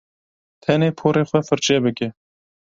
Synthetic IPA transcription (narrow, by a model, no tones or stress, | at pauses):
t̪ʰɛneːpʰoːɾeːxʷɛfɨɾt͡ʃɛbɨkʲɛ